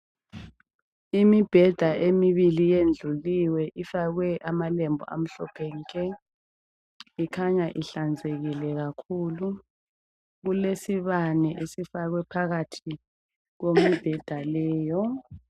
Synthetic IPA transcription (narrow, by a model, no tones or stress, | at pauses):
imib̥ʱɛd̥ʱaʔemiβilijend͡ɮʱuliwɛʔifaɣwɛʔamalɛmbʱɔ̰a̰m̩ɬɔpʰɛŋkʰʼɛ | ikʰaɲaʔiɬand͡zʱeɣilɛɣ̬akʰuːlu | ɣ̬ulesiβanɛʔesifaɣwɛpʰaɣatʰi | ɣ̬omib̥ʱɛd̥ʱalɛːjɔ